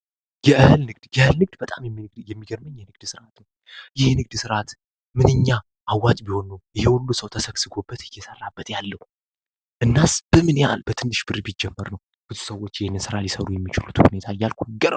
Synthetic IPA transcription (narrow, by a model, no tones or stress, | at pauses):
jɛʔɨhɨlnɨɡd̪̥jɛɨhɨlnɨɡ̚d̪bət̪ʼamjɛmːiɡjɛmːiɡəɾməɲjɛnɨɡ̚d̪sɨɾʔat̪nəw | jɪhnɨɡ̚d̪sɨɾʔat̪ | mɨnɨɲːa | ʔawːat̪ʼbiho̞nːəwjɪhewɔlːusəwt̪ʰəsəksɨɡo̞bːət̪ɨjːɛsərːabːət̪jalːəhu | ʔɨnːasb̥əmɨnja̰lbət̪ʰɨnːɨʃbɨɾbid͡ʒːɛmːəɾnəw | bɨzu̥səwːo̞t͡ʃːjɪhenːɨnsɨɾalisəɾujɛmːit͡ʃɪlut̪hune̞t̪ʰajːalkʰuɡəɾə̰w